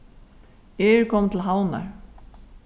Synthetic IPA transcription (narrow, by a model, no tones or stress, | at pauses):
ɛːɾkʰɔmt̪ʰɪl̩ɦawna̰ɹ